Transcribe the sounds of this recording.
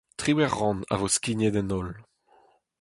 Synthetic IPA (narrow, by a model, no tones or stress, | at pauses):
t̪χiwɛʁːɑ̃na̰voskined̪ɛnɔl